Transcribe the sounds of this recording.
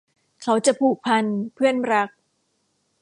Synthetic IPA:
kʰa˦˥wt͡ɕa˨˩pʰuː˨˩k̚pʰa˧npʰɯ˥˩ənɾa˦˥k̚

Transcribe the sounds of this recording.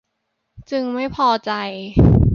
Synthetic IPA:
t͡ɕɯ˧ŋma˥˩jpʰɔː˧t͡ɕa˧j

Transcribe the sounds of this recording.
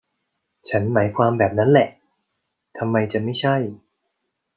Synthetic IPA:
t͡ɕʰa˦˥nmaː˩˦jkʰwaː˧mbɛː˨˩p̚na˦˥nlɛ˨˩ʔ | t̪ʰa˧mːa˧jt͡ɕa˨˩ma˥˩jt͡ɕʰa˥˩j

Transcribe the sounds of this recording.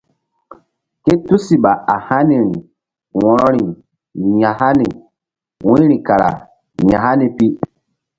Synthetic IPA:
ke˦tu˦si˨ɓa˨a˨ha˦ni˨ɾi˨ | wɔ̃˨ɾɔ˦ɾi˨ | ɲã˨ɦa˦ni˨ | wũ˦ɾi˨ka˨ɾa̰˨ | ɲã˨ɦa˦ni˨pi˦

